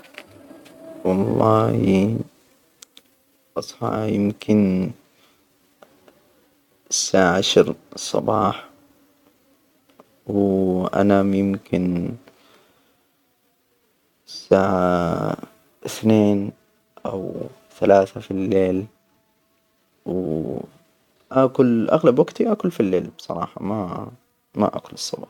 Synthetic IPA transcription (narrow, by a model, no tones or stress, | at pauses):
wɑlˤːɑːhi | ʔʔɑsˤħɑ̰ʕjɪmkʰɪn | sːaːʕaʕaʃɑɾˤsˤɑ̰bɑːħ | wʔa̰najɪmkɪn | sːaːʕa | ʔɪθneːn | ʔa̰w | θalaːθafilːeːl | w | ʔaːkʊlʔa̰ɣlabwaɡt̪iʔaːkʊlfilːeːlb̥sˤɑ̰ɾˤɑːħɑma | ma̰ʔa̰kʊlɨsˤːɑbɑ̰ːħ